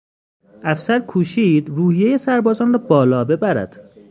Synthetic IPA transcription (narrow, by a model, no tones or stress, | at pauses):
ʔæfsæɾkʰuːʃiːd̪ruːhijeje̞sæɾbɒːzɒːnrɒːbɒːlɒːbe̞bæɾæ̰d̪̥